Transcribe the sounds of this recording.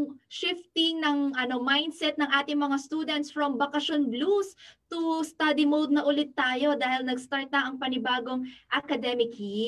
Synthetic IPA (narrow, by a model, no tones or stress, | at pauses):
ŋʃɪft̪ɪŋnɐŋʔɐno̞majnd̪sɛt̪̚nɐŋʔaːt̪ɪŋmɐŋast̪uːd̪ɛnt̪sfɹɐmbɐkɐʃonblust̪ust̪ad̪imod̪̚nɐʔʊlɪt̪ːaːjo̞d̪aːhɪlnɐɡst̪aɹt̪̚nɐʔɐŋpɐnɪbaːɡo̞ŋʔɐkɐd̪ɛmɪki